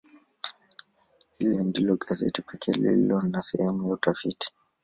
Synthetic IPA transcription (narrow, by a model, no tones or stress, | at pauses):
hilɛndilɔɡazɛ̰tipʰɛkʰɛlḭlɔnasɛhɛmujautafiti̥